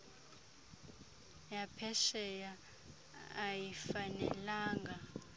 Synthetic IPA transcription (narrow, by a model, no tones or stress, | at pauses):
japʰɛʃɛjaː | jifanɛ̰laːŋɡa